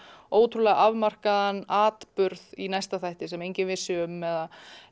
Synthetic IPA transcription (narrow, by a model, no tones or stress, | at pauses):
oːwt̪ʰɾulɛɣaʔavmar̥kaðanːaːt̪pʏɾðinajst̪aθajht̪ɪsɛmejɲcɪnvɪsɪʏmːɛða